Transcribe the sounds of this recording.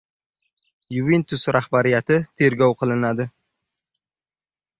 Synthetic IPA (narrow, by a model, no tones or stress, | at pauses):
jʊvent̪ʰʊsɾahbaɾɪjat̪ʰɪt̪ʰe̞ɾɡʲɒwqʰɨlˠɪnad̪ɪ